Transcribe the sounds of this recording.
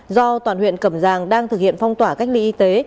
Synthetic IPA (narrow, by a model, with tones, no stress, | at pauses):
zɔ˧t̪waː˨˩nhwḭ˧˨ənkə˧˩mzaː˨˩ŋɗaː˧ŋt̪ʰɨ˨˩k̚hḭ˧˨ənfa˧wŋ͡mt̪waː˧˩ka˦˥jk̚lḭ˧ʔi˧t̪e˨˦